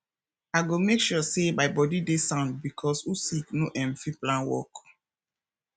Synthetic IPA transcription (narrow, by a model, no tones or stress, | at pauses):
aɪɡomekʃusebaɪbɔdidesãntbikʰɔsusiknoʔɛ̃mfiplãnwɔ̰k